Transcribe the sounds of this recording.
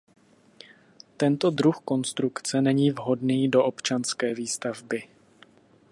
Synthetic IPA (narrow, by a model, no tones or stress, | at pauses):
t̪ɛnt̪o̞d̪ɾuxko̞nst̪ɾukt͡sɛnɛɲiːvɦo̞dniːdo̞ʔo̞pt͡ʃanskɛːviːst̪avbɪ